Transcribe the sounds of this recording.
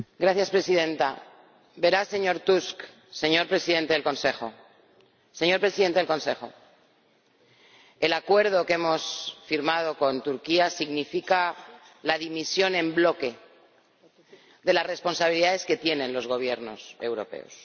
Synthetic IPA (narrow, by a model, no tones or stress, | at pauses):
ɡɾaθjaspɾe̞sið̞e̞nt̪a̰ | be̞ɾase̞ɲo̞ɾt̪usk | se̞ɲo̞ɾpɾe̞siðe̞nt̪e̞ð̞elkõ̞nse̞xo̞ | se̞ɲo̞ɾpɾesiðe̞nt̪elkonse̞xo̞̰ | e̞lakwe̞ɾð̞o̞ke̞mo̞sfiɾmað̞o̞ko̞nt̪uɾkiasiɣnifika | laðimisjo̞nẽ̞mblo̞ke̞ | ðe̞lasre̞spo̞nsaβiliðaðe̞ske̞t̪je̞nẽ̞nlo̞zɣo̞β̞je̞ɾno̞̰se̞wɾo̞̰pe̞̰o̞̰s